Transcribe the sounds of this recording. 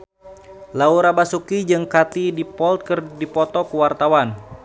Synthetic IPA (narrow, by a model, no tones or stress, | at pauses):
lauɾabasukid͡ʒɨŋkat̪idipɔlt̪̚kɨrdipɔt̪ɔkuwart̪awan